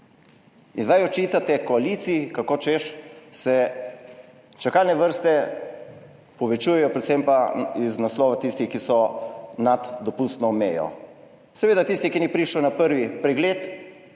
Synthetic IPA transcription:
inzd̪ajɔt͡ʃit̪at̪ɛkɔaliːt̪siikakoːt͡ʃeʃsɛ | t͡ʃakaːlnɛʋəɾst̪ɛ | pɔʋɛt͡ʃujɛjɔpɾɛt̪sɛmpaiznaslɔːʋat̪ist̪ixkisɔnad̪d̪ɔpust̪nɔmeːjɔ̰ | sɛʋeːd̪at̪ist̪ikinipɾiʃlɛwnapəɾʋipɾɛɡleːt̪

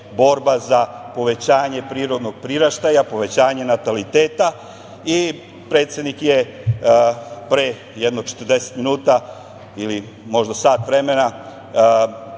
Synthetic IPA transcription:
bo̞ɾbazapo̞ʋe̞t͡ɕaːɲe̞pɾiːɾo̞d̪no̞ɡ̚pɾiɾaʃt̪ajapo̞ʋe̞t͡ɕaːɲe̞nat̪alit̪e̞ːt̪a | i | pɾe̞ːt̪sje̞d̪nikje̞ | pɾe | jed̪no̞ɡ̚t͡ʃe̥t̪əɾd̪e̞set̪minuːt̪a | ili | mo̞ʒd̪asaːt̪ʋɾe̞me̞na

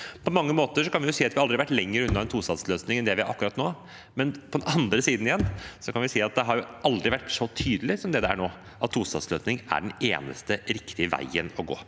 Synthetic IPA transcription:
pʰɔmɑŋːəmoːt̪əʂɔkɑnʋɪjʊsiːɑt̪ʋɪhɑɑld̪ɾɪʋæʈːlɛŋːəɾʉnːɑɛnt̪ʰuːst̪ɑd̪sløːsnɪŋɛnd̪ɛʋɪɑɾʔɑkːʉɾɑt̪noː | mɛnpʰɔd̪ɛnɑnd̪ɾəsiːd̪n̩ɪjɛnːsɔkʰɑnʋɪsiːɑt̪̚d̪ɛɦɑɾjʊʔɑld̪ɾɪʋæʈːʂɔt̪ʰyːd̪əlɪsɔmd̪ɛd̪ɛæ̰ɳoː | ʔɑt̪ʰːuːst̪ɑ̰d̪sløːsnɪŋæ̰ɖɛneːnə̰st̪əɾɪkt̪ɪəʋæ̰ɪənɔɡo̰ː

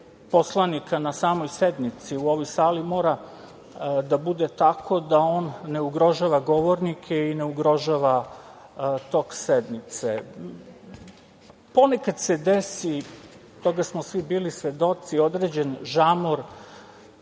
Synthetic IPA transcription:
po̞slˠanikʰanasaːmo̞jsed̪nit̪siuo̞ʋo̞jsaːlimo̞ːɾa | d̪abud̪et̪akʰo̞d̪ao̞ːnːe̞uɡɾo̞ʒaːʋaɡo̞ʋo̞ɾnikʰeine̞uɡɾo̞ʒaʋa | t̪o̞ksed̪nit̪se | po̞nekad̪sed̪esi | t̪o̞ɡasmosʋibiːlisʋe̞d̪o̞t̪sio̞d̪ɾed͡ʑenʒamoɾ

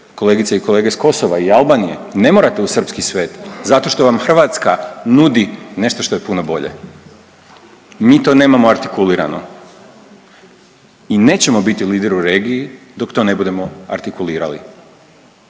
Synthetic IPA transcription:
ko̞le̞ːɡit̪saiko̞le̞ːɡesko̞so̞ʋaialˠbaːnijḛne̞mo̞ːɾat̪e̞usər̩pskisʋe̞ːt̪zat̪o̞ʃt̪o̞ʋamxr̩ʋat̪skanud̪ine̞ʃt̪o̞ʃt̪o̞je̞punobo̞̰ʎe̞̰ | miːt̪o̞ːne̞ːmamo̞aɾt̪ikuliːɾa̰no̞̰ | ine̞ːt͡ɕe̞mo̞bit̪iliːd̪e̞ɾuɾe̞ːɡijid̪o̞kt̪o̞ːne̞bud̪e̞mo̞a̰ɾt̪ikuliːɾa̰lḭ

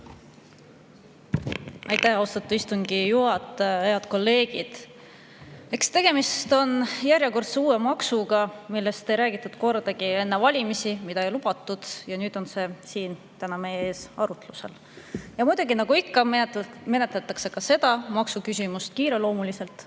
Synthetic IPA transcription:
ɑjt̪æhɑwst̪ɑt̪ːˑu̥ist̪uŋɡ̥ijuɦɑt̪ːˑejɑd̪̥ko̞lːe̞ːɡ̥id̪̥ | e̞kst̪e̞ɡ̥e̞mist̪o̞njæɾʲjeko̞rt̪seuːe̞mɑksuɡɑmilːe̞st̪e̞jɾæːɡ̥it̪ːˑud̪̥ko̞rd̪̥ɑɡie̞nːe̞vɑlʲimisimid̪̥ɑejlub̥ɑt̪ːˑud̪̥jɑnyːd̪̥o̞nse̞siːn | t̪ænɑme̞jee̞ːsɑɾut̪luse̞̰l | jɑmujd̪uɡ̥inɑɡ̥uikːɑ | me̞ne̞t̪let̪ːˑɑkse̞kɑse̞d̪̥ɑmɑksukysʲimust̪̚kiːɾe̞lo̞ːmulise̞lt̪ˑ

